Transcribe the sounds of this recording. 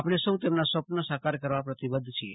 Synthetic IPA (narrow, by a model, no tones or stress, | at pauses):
apɽ̃esəwt̪emnasʋəpnəsakaɾkəɾʋapɾət̪ibəd̪ʱt͡ʃʰiḛ